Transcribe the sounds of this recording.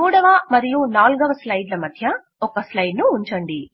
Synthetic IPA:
uːɽɐʋɐmɐɾijunaːlɡɐʋɐslɐjɖlɐmɐd̪ʱjɐ | ɔkɐslɐjɖnuːɲt͡ʃɐɳɖi

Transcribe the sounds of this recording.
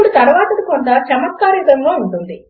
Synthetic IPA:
uɽut̪ɐɾuʋaːt̪ɐd̪ikont̪ɐt͡ʃɐmɐt̪̚kaːɾiːd̪ɐŋɡoːuɳʈund̪i

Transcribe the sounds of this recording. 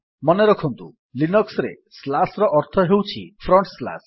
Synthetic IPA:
mɔneɾɔkʰɔnt̪ṵ | linɔksɾḛ | slasɾɔʔɔɾt̪ʰɔɦewt͡ʃʰipʰɾɔɳʈsla̰s

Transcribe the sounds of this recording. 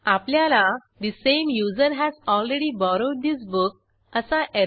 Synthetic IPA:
apljala | d̪isẽmjuzəɾɦæzɔlɾeɽibɔɾoɖ̚d̪is̬buk̚ | əsaʔe

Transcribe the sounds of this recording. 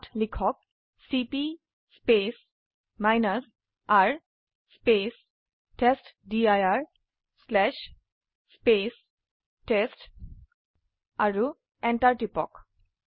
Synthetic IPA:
tlikʰɔk̚ | sipi | spes | majnaz | aɹ | spes | ʈesʈdiajaɹ | slɛʃ | spes | ʈesʈ | aɹu | ɛnʈaɹʈipɔ̰k

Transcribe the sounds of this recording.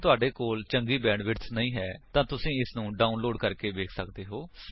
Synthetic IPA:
t̪ʊaːɖeːkoːlt͡ʃəŋɡiːbɛːɳɖʋɪʈsnəĩːɦɛːt̪ãːt̪ʊsĩːɪsnũːɖaːʊnloːɖkəɾkeːʋeːkʰsəkd̪eːɦoː

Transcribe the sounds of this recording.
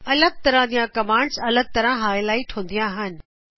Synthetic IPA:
ɐləɡ̚t̪ɐɾãd͡ʑijãkɐmaːɽsɐləɡ̚t̪ɐɾãɦaːɪlaːiʈʰõːnd̪ijãːɦənɪ̆

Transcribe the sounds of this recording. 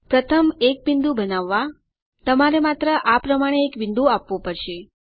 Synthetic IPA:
pɾət̪ʰəmek̚ʋind̪ũbənaʋːa | t̪əmaɾemat̪ɾəʔapɾəmaɽ̃eːkʋɪnd̪uapʋũpəɾʃe

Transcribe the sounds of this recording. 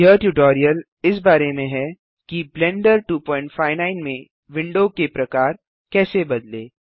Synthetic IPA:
jəʈuːʈɔːɾijəl | ɪs̬baːɾemẽɦɛ | kiblɛ̃ːɳɖəɾʈuːpɔ̃ːɪ̃ɳʈfʰaːɪnãːɪnmẽ | ʋɪ̃ɳɖokepɾɐkaːɾ | kɛːsebɐd̪leː

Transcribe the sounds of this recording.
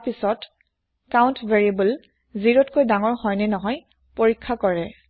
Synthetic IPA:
pisɔt | kaʊ̃ntveɹiibəl | ziɹotkojdaŋɔɹhɔjnɛnɔɦɔj | poɹikʰːakɔɹɛ

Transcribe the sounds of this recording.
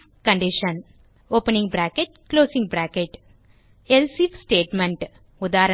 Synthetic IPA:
kɐɳɖiʃɐn | oːpɐnĩŋɡbɾæːkeʈ̚kloːsĩŋɡ̚bɾæːkeʈ | elsifsʈeːʈmẽɳʈ | ʊd̪aːɾɐ

